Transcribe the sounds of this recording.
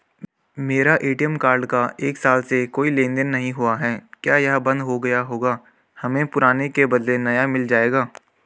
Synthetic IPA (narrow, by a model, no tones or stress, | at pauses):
meːɾaʔeːʈijəmkaːɾɖkaeːksaːlsekoːilẽːnd̪ənːɐɦĩɦʊaɦɛːkjaːjɐɦbɐ̃nd̪ɦoɡɐjaɦoːɡaː | hɐmẽpʊɾaːnekebɐd̪lenɐjamɪld͡ʒaːeːɡaː